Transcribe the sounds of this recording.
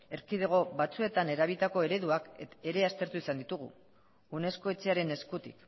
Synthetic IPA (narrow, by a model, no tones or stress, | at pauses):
e̞ɾkiðeɣ̞o̞βat͡sue̞t̪ane̞ɾaβ̞it̪ako̞e̞ɾe̞ðuake̞ɾe̞ast̪e̞ɾt̪uisand̪it̪uɣ̞ṵ | une̞sko̞e̞t͡se̞aɾe̞ne̞skut̪ḭk